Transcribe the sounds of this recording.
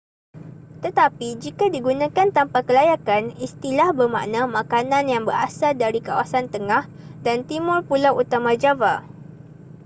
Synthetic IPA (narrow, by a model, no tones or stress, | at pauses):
t̪ət̪apid͡ʒikadiɡunãkant̪ampakəlajakanist̪ilahbəma̰ʔnãmãkanãnjaŋbəɾa̰saldaɾikawasant̪əŋah | dant̪imʊrpulawʔut̪amãd͡ʒava